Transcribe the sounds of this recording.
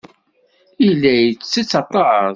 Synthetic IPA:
ilːæjt͡sːit͡sːɑt̪ˤːɑʕəðˤ

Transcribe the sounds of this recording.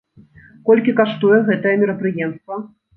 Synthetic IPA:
kɔlʲkʲikaʂt̪ujɛɣɛt̪ɐjɛmʲɛɾɐpɾɨjɛmst̪vɐ

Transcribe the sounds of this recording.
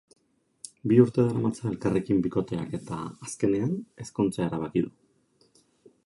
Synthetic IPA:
biuɾt̪e̞ðaɾamat͡sae̞lkare̞kimbiko̞t̪e̞a̰ke̞t̪a̰aske̞ne̞ane̞skunt͡sae̞ɾaβ̞akiðu

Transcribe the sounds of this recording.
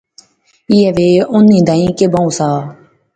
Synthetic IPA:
iːɛʋeːʊnːĩːd̪ãĩːkebãũsaː

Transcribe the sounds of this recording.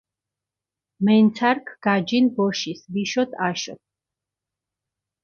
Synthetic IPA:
mɛnt̪sʰaɾkʰɡ̥ad͡ʒinbɔʃisbiʃɔt̪ʰaʃɔ̰t̪̚

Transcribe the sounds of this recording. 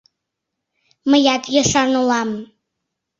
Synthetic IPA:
mə̆jɑt̪jɑʃɑnulɑm

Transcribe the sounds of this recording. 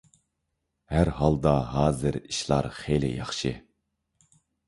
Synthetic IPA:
hæɾɦɑlˠd̪ɑɦɑːzɨɾiʃlˠɑ̰ɾχelɪ̰jɑχʃɨ̰

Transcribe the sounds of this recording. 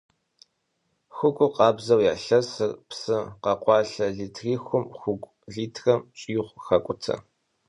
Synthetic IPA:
xʷʊkʷʼʊqɑːbzɐwjaːɬɐsɨrpsɨqɐqʷɑːɬɐɮiːtʰriːxʷʊmxʷʊɡʷ | ɮiːtʰrɐmt͡ʃʼiːɪχʷxɐkʷʼʊtʰɐ̰

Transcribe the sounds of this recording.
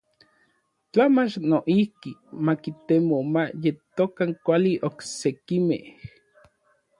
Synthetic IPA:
t͡ɬamat͡ʃnoʔihkimakit̪emomajet̪okaŋkʷaliʔoksekimḛhh

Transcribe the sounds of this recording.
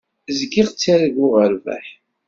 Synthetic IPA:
zɡiʁt͡sːiɾɡʊʁəɾvæ̰ħ

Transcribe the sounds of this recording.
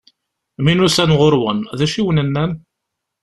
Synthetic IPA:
minusænʁoɾwənðæʃiwənənːæn

